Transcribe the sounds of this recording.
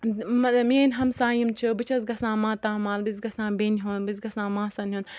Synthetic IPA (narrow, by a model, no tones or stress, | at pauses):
mɐmenʲɦɐmsãːjimt͡ʃʰɨbɨt͡ʃʰɐzɡɐsãːmãːt̪ãːmãːnlbɨs̬ɡɐsãːbeːnɦuːnbɨz̬ɡɐsãːmãːsɐnɦuːn